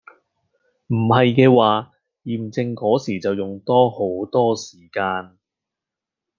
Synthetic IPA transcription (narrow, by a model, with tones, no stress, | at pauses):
m̩˨˩hɐ˨jkɛː˧waː˨ | jiː˨˩mt͡sɪ˧ŋkɔː˨˥siː˨˩t͡sɐ˨wjʊ˨˩ŋt̪ɔː˥ho˨˥wt̪ɔː˥siː˨˩kaː˧n